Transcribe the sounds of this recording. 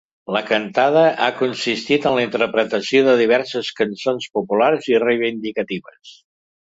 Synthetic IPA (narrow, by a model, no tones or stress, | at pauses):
ləkənt̪aðəʔakunsist̪it̪ənləint̪əɾpɾət̪əsioðəðiβɛɾsəskənsonspupulaɾzirejβind̪ikət̪iβəs